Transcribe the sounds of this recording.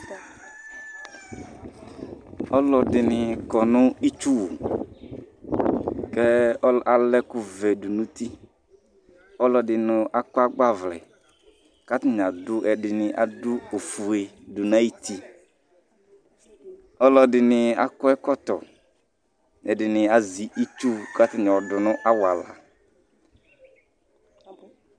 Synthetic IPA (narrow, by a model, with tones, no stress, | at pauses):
ɔ˦lɔ˨dɪ˨nɪ˨kɔ˨nʊ̃˦i˦t͡ʃu˦wu˨ | kɛ˦ɔ˦a˨lɛ˦kʊ˨vɛ˨dʊ˨nũ˦t̪i˦ | ɔ˦lɔ˨dɪ˨nʊ̃˨ʔa˦kʊ˦a˦ɡ͡ba˦˨vlɛ̰˨ | ka˦t̪ɪ˨ɲ˨a˨dʊ˦ʔɛ˨dɪ˨nɪ˨ʔa˨dʊ˦o˨fu˨e˨dʊ˨nã˦i˦ti˦ | ɔ˦lɔ˨dɪ˨nɪ˨a̰˦kʊ˦ɛ˦kɔ˦tɔ˨ | ɛ˨dɪ˨nɪ˨a˨zi˨ʔi˦t͡ʃu˦ka˦tɪ˨nɪ̃˨ɔ˨dʊ˨nʊ̃˦ʔa˦wa˨la̰˨